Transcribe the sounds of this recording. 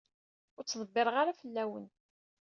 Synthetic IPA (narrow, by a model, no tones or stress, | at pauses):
ʊɾt͡sːðˤəbːɪɾˤʁaɾafəlːæwə̰n